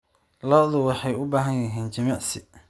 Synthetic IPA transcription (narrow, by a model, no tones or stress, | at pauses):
lɔːðʊwɑħɑjʊbaːɦɐnjɐɦiːnt͡ʃɐmiːʕsɪ